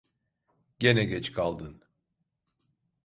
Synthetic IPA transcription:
ɟ̥enɛɟɛt͡ʃkʰalˠd̪ɯn

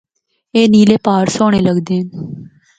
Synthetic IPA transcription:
eːniːleːpaːɾsoːɽ̃eːləɡd̪eːɦən

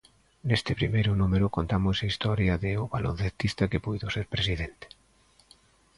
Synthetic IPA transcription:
nest̪ɪpɾimejɾʊnumeɾʊkont̪amʊsɐist̪ɔɾjɐðɪʊβalon̟θet̪ist̪ɐkepujðoseɾpɾesiðent̪e̥

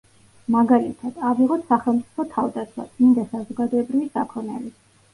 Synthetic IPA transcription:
maɡalit̪ʰad̪̥aviʁɔt̪ʰsaχɛlˠmt̪sʼi̥pʰɔt̪ʰavd̪asʰwa̰ind̪asazɔɡad̪ɔɛbɾivisakʰɔnɛ̰li

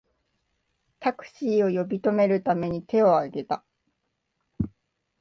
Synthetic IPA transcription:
t̪akɯ̟̥ɕiːo̞jo̞bʲit̪o̞me̞ɾɯ̟t̪ame̞ɲ̟it̪e̞o̞aɡe̞t̪a

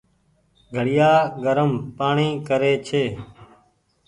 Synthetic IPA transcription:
ɡʱəɽɪjaːɡəɾəmpaːɳĩːkəɾeːt͡ʃʰeː

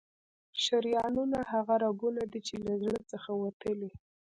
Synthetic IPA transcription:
ʃaɾjɑnunahaɣaɾaɡunad̪it͡ʃelazɽət͡səxawat̪əle

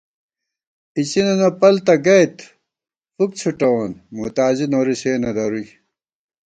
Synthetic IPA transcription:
it͡ɕinɐnɐpɐlt̪ɐɡɐjt̪ | fuk̚t͡ɕʰuʈɐwɐnmut̪aːzinoːɾiɕeːnɐd̪ɐɾuj

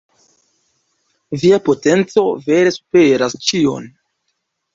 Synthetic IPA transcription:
viapo̞te̞nt͡so̞ve̞ɾe̞su̥peɾast͡ʃio̞̰n

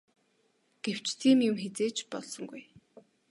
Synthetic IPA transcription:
ɡ̥ew̥t͡ɕt̪ʰiːmjʊmxet͡seːt͡ɕpɔ̰ɮsɞ̆ŋɡuj

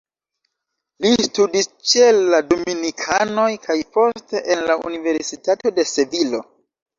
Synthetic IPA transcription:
listudist͡ʃelːadominikʰano̞jkʰajpo̞sste̞ʔenlaṵnive̞ɾsitato̞de̞se̞vilo̞

